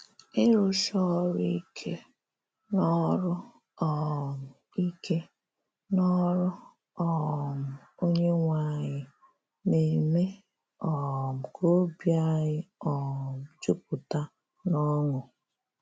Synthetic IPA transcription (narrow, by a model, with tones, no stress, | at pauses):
ɪ˦ɾo˦ʃɔ˦ɾi˦kʰe˦ | nɔ˦ɾʊ˦ | ɔ˨m̩˨ | i˦kʰe˦ | nɔ˦ɾʊ˦ | ɔ˨m̩˨o˦ɲe˦ŋʷa˦ɲɪ˦ | ne˨me˦ | ɔ˨m̩˨kʰo˦bja˦ɲɪ˦ɔ˨m̩˨d͡ʒu˦p̚ʊ˨ta˦ | nɔ˦ŋʊ˨